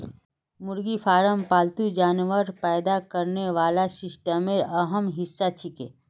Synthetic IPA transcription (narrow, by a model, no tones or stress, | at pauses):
mʊɾɡipʰaːɾəmpaːlt̪ud͡ʒaːnʋəɾpɛːjd̪akɐɾneʋaːlasɪʃʈəmeɐɦəmɦɪsːat͡ʃʰikḛː